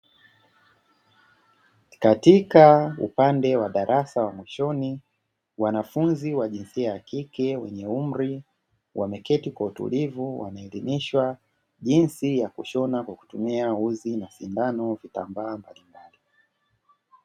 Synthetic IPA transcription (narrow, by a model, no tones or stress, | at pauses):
katikaṵpandɛwaɗaɾʔasawamwiʃɔni | wanafunziwaʄinsiajakikɛwɛ̰ɲɛum̩ɾi | wʔamɛkɛtikwautṵlivuwa̰naɛliniʃwa | ʄinsijakuʃɔnakwaku̥tumiauzinasindanɔvita̰mbaːmbalimbali